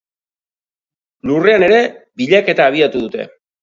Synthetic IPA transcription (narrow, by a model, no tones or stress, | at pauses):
lure̞ane̞ɾe̞biʎake̞t̪aːβ̞iat̪uðut̪e̞̰